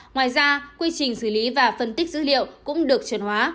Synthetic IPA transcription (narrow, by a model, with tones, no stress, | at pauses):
ŋwaː˨˩jzaː˧kwi˧t͡ɕï˨˩ŋ̟sɨː˧˩li˨˦vaː˨˩fə˧˩nt̪i˦˥k̟̚zɨ̰˧˥lḭ˧˨wkʊ̰˧˥ŋ͡mɗɨ˨˩ək̚t͡ɕɨ˨˩ənhwaː˨˦